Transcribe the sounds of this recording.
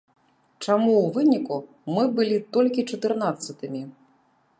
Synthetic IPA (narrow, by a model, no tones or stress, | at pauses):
t͡ʂamuwvɨnʲiku | mɨbɨlʲit̪ɔlʲkʲit͡ʂɐt̪ɨrnat̪sːɐt̪ɨmʲi